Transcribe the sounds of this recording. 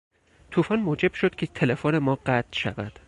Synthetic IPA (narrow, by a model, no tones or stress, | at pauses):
t̪ʰuːfɒːnmoːd͡ʒe̞b̥ʃod̪̥cʰʲet̪ʰele̞fone̞mɒːɢæt̪ʰʃæ̰væd̪̥